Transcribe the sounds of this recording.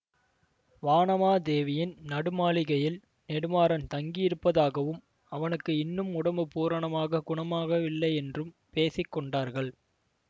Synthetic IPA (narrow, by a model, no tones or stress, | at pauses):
ʋaːnɐmaːd̪eːʋɪjɪnnɐɽɯmaːɭɪɣɐjɪl | nɛɽɯmaːɾɐnt̪ɐŋɡɪjɪɾɯpːɐðaːɣɐʋɯm | ɐʋɐnɯkːɯɪnːɯmʊɽɐmɯpuːɾɐɳɐmaːɣɐɡʊɳɐmaːɣɐʋɪlːɐɪɛndrɯm | peːsɪkːɔɳɖaːɾɣɐɭ